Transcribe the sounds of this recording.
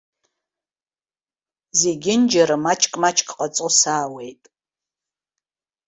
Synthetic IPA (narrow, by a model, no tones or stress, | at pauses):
zeɡʲɪnd͡ʒɐɾɨmat͡ʃʼkʼmat͡ʃʰʼkʼqʼat͡sʼusaːwe̞jtʼ